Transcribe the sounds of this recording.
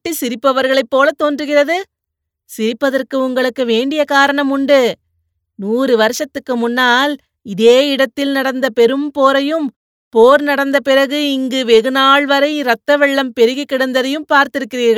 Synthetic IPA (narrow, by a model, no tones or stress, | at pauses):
ʈːisɪɾɪpːɐʋɐɾɣɐɭɐɪpːoːlɐt̪ːoːndrɯɣɪrɐðɯ | sɪɾɪpːɐðɐrkɯʊŋɡɐɭɯkːɯʋeːɳɖɪjɐkaːɾɐɳɐmʊɳɖɯ | nuːrɯʋɐɾɯʂɐt̪ːɯkːɯmʊnːaːl | ɪðeːɪɽɐt̪ːɪlnɐɽɐnd̪ɐpɛɾɯmpoːɾɐjɯm | poːɾnɐɽɐnd̪ɐpɪɾɐɣɯɪŋɡɯʋɛɣɯnaːɭʋɐɾɐɪɾɐt̪ːɐʋɛɭːɐmpɛɾɯɣɐkːɪɽɐnd̪ɐðɐjɯmpaːɾt̪ɪɾɯkːɪɾiːɾɣɐ